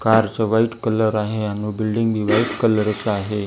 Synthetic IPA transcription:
kaɾt͡səʋaiʈkələɾaɦeanubilɖiŋɡbʱiːʋaiʈkələɾət͡saɦe

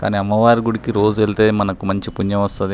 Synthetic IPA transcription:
ka̰ːniːɐmːɐʋaːɾiɡuɽikiɾo̞ːd͡ʒuelit̪e̞ːmɐnɐkumɐɲt͡ʃipuɲjɐmɐst̪ɐd̪i

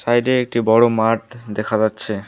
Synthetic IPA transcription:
sajɖeek̚ʈibɔɽomaʈd̪ɛkʰad͡ʑatːɕʰe

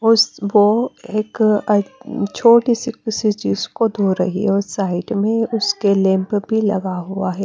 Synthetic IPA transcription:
ʊsʋoeːk | t͡ʃʰoːʈisikɪsid͡ʒɪskod̪ʱoɾɐ̰ɦiɦɛɔʊsaːɪɖmẽʊskelẽmpbʱilɐ̰ɡaɦʊaɦɛː

